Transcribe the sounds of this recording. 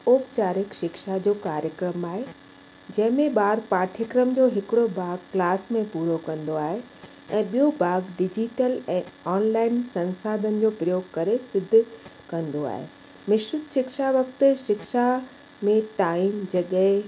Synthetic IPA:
oːpt͡ɕaːɾɪkʃɪkʃad͡ʑoːkaːɾjəkɾəmaːɦe | d͡ʑɐ̃ɦɪ̃mẽɓaːɾpaːɾʈʰjəkɾəmd͡ʑoːɦɪkɪɽobʱaːɡklaːsmẽpuːɾokɐ̃nd̪oaːɦe | ɛ̃ːɓijobʱaːɡɖɪd͡ʑiʈəlɛ̃ːɔːnlaːɪnsɐ̃nsaːd̪ʱənɪ̆d͡ʑoːpɾɐjoːɡkɐɾesɪd̪ʱːʊ̆kɐ̃nd̪oa̰ːɦḛ | mɪʃɾʊt̪ʃɪkʃaʋɐkt̪̆ʃɪkʃa | mẽt̪aːiːmd͡ʑɐɠəɦɪ

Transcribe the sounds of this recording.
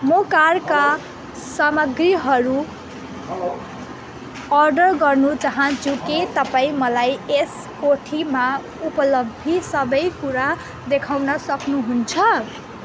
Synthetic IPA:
mokarka | samʌɡriɦʌɾu | ʌrɖʌrɡʌrnut͡sʌɦʌ̃t͡suket̪ʌpaĩmʌlajes | koʈʰima | upʌlʌbʱisʌbʌjkuɾa | d̪ekʰawnʌsʌknuɦunt͡sʰʌ

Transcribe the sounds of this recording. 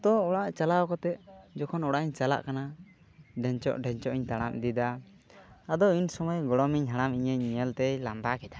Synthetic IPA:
t̪ɔɔɽaʔt͡ʃalaɔkɔt̪ɛʔ̚d͡ʒɔkʰɔnɔɽaʔɲt͡ʃala̰ʔkana | ɖɛɲt͡ʃɔ̰ʔɖɛɲt͡ʃɔʔiɲt̪aɽ̃a̰md̪id̪a | ad̪ɔinsɔmɔjɡɔɽɔmiɲɦaɽ̃amiɲəɲmiəlt̪ɛjlambakɛd̪a

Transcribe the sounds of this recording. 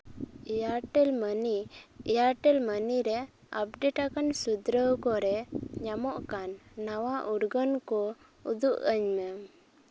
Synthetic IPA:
jaʈɛlmənijaʈɛlməniɾɛ | a̰p̚ɖeʈakansud̪ɾəwkɔɾɛɲamɔʔkanːawaʔuɾɡənkɔ | ud̪uʔəɲmɛ

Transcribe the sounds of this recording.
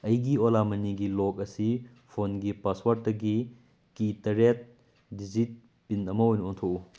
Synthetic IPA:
ɐjɡiolamɐniɡilok̚ɐsi | pʰonɡipaswaɾt̚dɐɡi | kitɐɾet̚ | did͡ʒit̚ | pinɐmɐojnuontʰou

